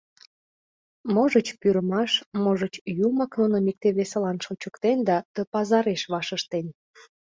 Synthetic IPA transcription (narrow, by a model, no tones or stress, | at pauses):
moʒət͡ɕpyɾəmɑʃmoʒət͡ɕjumɑknonomʲik̚t̪eβesəlɑnʃot͡ɕəkt̪end̪ɑt̪əpɑzɑɾeʃβɑʃəʃt̪en